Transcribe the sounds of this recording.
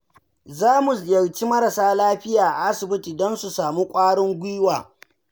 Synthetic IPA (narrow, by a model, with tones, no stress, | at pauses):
zaː˦mu˨jɐ˨wt͡ʃi˦mɐ˦ɾɐ˨saː˦laː˦ɸɪ˦jaː˨ʔa˨ʔa˦sɪ˨bɪ˦tiː˨dɔ˦nsu˨saː˨mu˦kʷʼaː˦ɽɪ˦ŋɡʷiː˦waː˨